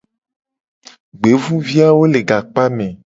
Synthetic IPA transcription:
ɡ͡be˨˦vũ˦vi˦a˦wo˦le˨ɡa˨k͡pa˦mẽ˨

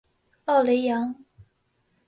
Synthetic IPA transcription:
ɑ˥˩ʊle˧˥jɑ˧˥ŋ

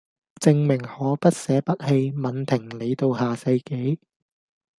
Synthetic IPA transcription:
t͡sɪ˧ŋmɪ˨˩ŋhɔː˨˥pɐ˥t̚sɛː˨˥pɐ˥t̚he˧jmɐ˨˧nt̪ʰɪ˨˩ŋle˨˧jt̪o˧whaː˨˩sɐ˧jke˨˥j

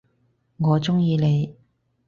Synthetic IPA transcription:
ŋɔː˨˧t͡sʊ˥ŋjiː˧le˨˧j

